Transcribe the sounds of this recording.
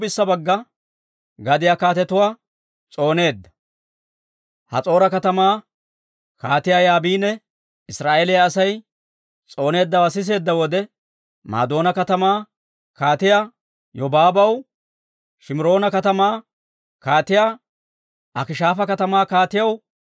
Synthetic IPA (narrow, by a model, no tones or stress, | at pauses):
bɪsːɐbɐɡːɐ | ɡɐd̪ɪjakaːt̪ɛt̪ʊwaː | t͡sʼo̞ːne̞ːd̪ːɐ̥ | hɐ̰t͡sʼo̞ːɾɐkɐt̪ɐmaː | kaːt̪ɪjaːjaːbiːnɛ | ɪsɾaːʔelɪjɐːsɐj | t͡sʼo̞ːne̞ːd̪ːɐwɐs̬ɪs̬e̞ːd̪ːɐwɔd̪ɛ | ma̰ːd̪o̞ːnɐkɐt̪ɐmaː | kaːt̪ɪja | jɔbaːbɐw | ʃɪmɪɾo̞ːnɐkɐt̪ɐmaː | kaːt̪ɪjaː | ʔɐkɪʃaːfɐkɐt̪ɐmaːkaːt̪ɪjɐw